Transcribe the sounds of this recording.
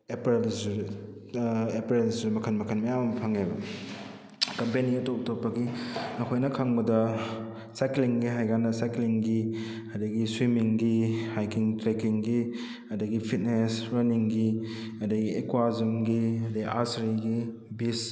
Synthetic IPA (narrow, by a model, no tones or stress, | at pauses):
epɾelzɾ | epɾelzuɾmɐkʰɐnmɐkʰɐnmɐjamɐmpʰaŋebɐ | kɐmpeniɐtop̚toppːɐɡinɐkʰojnɐkʰaŋbɐdɐ | sajkliŋɡiɦajɡanɐsajkliŋɡi | ɐdɐɡiswimiŋɡihajkiŋtɾekiŋɡi | ɐdɐɡipʰit̚nesɾɐniŋɡi | ɐdɐɡiekwazɐmɡiɐdɐɡiʔasɾiɡi | bis